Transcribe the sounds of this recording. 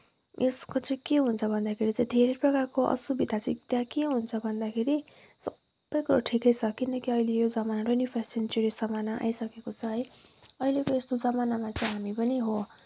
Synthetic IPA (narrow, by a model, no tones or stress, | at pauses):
eskot͡sʌĩkeɦunt͡sʰʌbʱʌnd̪akʰeɾit͡saĩd̪ʱeɾʌjprʌkarkoʔʌ̰subid̪ʱat͡saĩt̪jãkeɦunt͡sʰʌbʱʌnd̪akʰeɾi | sʌbːʌjkuɾaʈʰikʌjt͡sʰʌkinʌkiʌjlejod͡zʌmanaɾonipʰassinteɾisʌmanaʔa̰jsʌkekot͡sʰʌɦʌjʌilekoest̪od͡zʌmanamat͡saĩɦamipʌniɦo